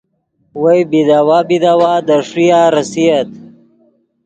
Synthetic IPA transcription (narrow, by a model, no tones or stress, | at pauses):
wɐjbid̪awabid̪awad̪ɐʂijaɾɐsijɐt̪